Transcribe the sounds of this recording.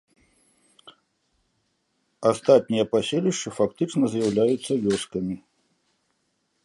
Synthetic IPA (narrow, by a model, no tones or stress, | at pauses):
ast̪at̪̚ʲnʲijɐpasʲelʲiʂt͡ʂɨfakt̪ɨt͡ʂnɐzjawlʲajut̪sːɐvʲɔskɐmʲi